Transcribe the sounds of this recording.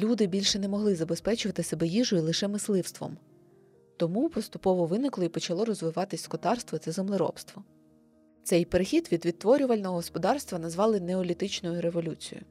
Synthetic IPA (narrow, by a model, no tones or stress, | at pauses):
lʲud̪ɪbʲilʲʃɛnɛmɔɦlˠɪzɐbespɛt͡ʃʊʋɐt̪ɪsebɛjiʒʊilˠɪʃɛmɪslˠɪwst̪ʋɔ̰m | t̪ɔmupɔst̪ʊpɔʋɔʋɪnɪklˠɔipɔt͡ʃɐlˠɔɾɔzʋɪʋɑt̪ɪsʲskɔt̪ɑrst̪ʋɔt̪sɛzemlˠɪɾɔ̰pst̪ʋɔ | t̪sɛjpeɾɪxʲid̪ʋʲid̪ʋʲidt̪ːʋɔɾʲʊʋɐlʲnɔɦɔɦɔspɔd̪ɑrst̪ʋɐnɐzʋɑlˠɪneɔlʲit̪ɪt͡ʃnɔjʊɾe̞ʋɔlʲut͡sʲḭjʊ̰